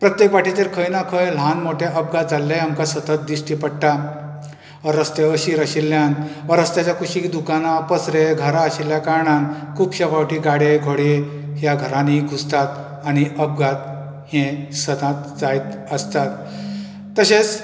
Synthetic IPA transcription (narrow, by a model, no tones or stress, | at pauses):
pɾət̪jekʋaʈʰit̪eɾkʰəjnakʰəjl̤ãnmoʈʰeʔəb̚ɡat̪̚d͡zalːeamkasət̪ət̪̚d̪iʂʈipəɽʈa | ʋəɾəst̪eəɕiɾəɕilːjanʋəɾəst̪jat͡ɕjakʰuɕid̪ukanapəsɾeɡʱəɾaaɕiljakaɾɳankʰupɕapawʈiːɡaɽeɡʱoɽe | ɦjaɡʱəɾãniɡʱud͡zt̪at̪ | añiʔəb̚ɡat̪ | hẽsət̪ãt̪d͡zajt̪əst̪at̪ː | əɕet͡s